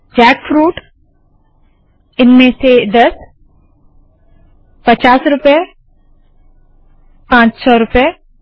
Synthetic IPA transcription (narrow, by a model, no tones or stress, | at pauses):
d͡ʒɛːkfɾuːʈ | ɪnmẽsed̪ɐs | pɐt͡ʃaːsɾʊpe | pãːt͡ʃsɔːɾʊpe